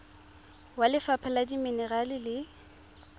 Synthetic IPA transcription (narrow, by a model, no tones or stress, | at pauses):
walɪfapʰaladiminɛralɪlɪ